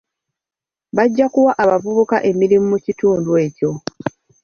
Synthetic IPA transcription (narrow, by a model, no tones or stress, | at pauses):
βaɟːakuwaʔaβavuβukaʔe̞miɾimumucituːndwe̞ːco̞